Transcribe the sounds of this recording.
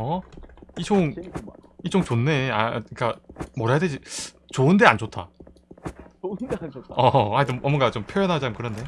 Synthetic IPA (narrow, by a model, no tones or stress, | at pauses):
ʌit͡ɕʰoŋ | it͡ɕ͈ʰoŋt͡ɕonːe̞aiik͈amʌɾɦajadwed͡ʑi | t͡ɕoɯndeand͡ʑotʰa̰ | ʌaidoʔʌmʌŋɡat͡ɕompʰjojʌnɦad͡ʑakɯɾʌnde